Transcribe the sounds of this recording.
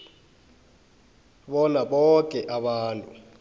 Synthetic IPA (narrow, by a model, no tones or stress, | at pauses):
ɓɔnaɓɔkʼɛʔaɓaːntʼu